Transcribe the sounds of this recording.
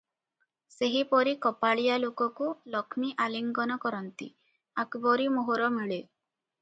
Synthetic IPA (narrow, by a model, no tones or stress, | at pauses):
seɦipɔɾikɔpaɭijalokɔkulɔkʰmiʔaliŋɡɔnɔkɔɾɔnt̪ḭ | akbɔɾimoɦoɾɔmiɭe